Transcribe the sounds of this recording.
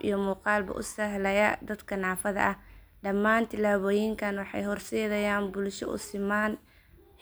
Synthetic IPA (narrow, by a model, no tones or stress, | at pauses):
ḭjɞmuːqɑːlbɐ̰ʔʊsɐɦlɛjɐd̪ɐd̪kʰɐnaːfɐðɐ̰ʔɐh | ɖɐmːaːnt̪ʰɪlaːβɔːjɪŋkʰɐnwɑħɑ̰jɦɔrsɛːðɐjaːnbʊlʃɔʔʊ̰sɪmaːn